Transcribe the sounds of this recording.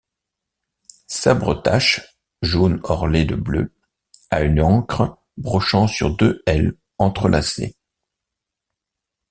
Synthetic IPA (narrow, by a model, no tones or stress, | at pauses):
sabʁə̰t̪aʃ | ʒonɔʁled̪əblø̰ | aynɑ̃kχə | bʁɔʃɑ̃syʁd̪øɛl | ɑ̃t̪χəlʔasḛ